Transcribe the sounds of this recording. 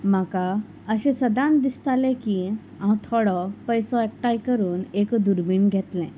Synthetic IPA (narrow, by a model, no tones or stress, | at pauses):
maka | əɕẽsəd̪ãnd̪ist̪alɛ̃ki | ãwt̪ʰɔɽɔpəjsɔɛk̚ʈajkəɾuːnekd̪uɾbiɳɡʱɛt̪lɛ̰̃